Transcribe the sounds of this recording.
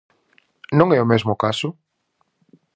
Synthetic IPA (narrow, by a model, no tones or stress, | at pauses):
nõŋɛomezmʊkasʊ